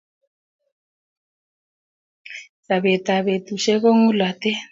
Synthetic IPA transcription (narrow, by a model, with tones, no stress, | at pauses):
sa˨βe˨t̪a˨βe˨tu˨ʃɛ˦ko˦ŋu˦lwa˨tɛ˦